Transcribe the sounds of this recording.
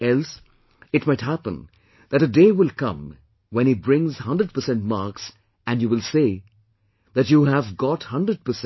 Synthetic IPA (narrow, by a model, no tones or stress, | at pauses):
ɛls | ɨtmaɪtɦæpə̰̃n | ðɨɾɨdeːwɪlˠkʌ̰̃m | wɛ̃nibɹɪ̃ŋz̥hʌ̃ndɾəd̚pə˞sɛ̃ntmɑɹks | ɨ̃njuwɪlˠse | ðætjuɦævɡɔthʌ̃ndɾəd̚pəs